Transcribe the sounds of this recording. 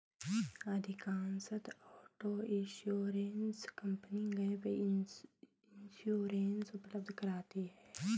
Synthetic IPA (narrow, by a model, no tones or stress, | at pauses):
ɐd̪ʱɪkaːnsət̪ɔːʈoːɪ̃nʃoːɾenskɐ̃mpəniŋɡɐjbe | ɪnʃuːɾeːnsʊpləb̚d̪ʱkɐɾaːt̪iɦɛː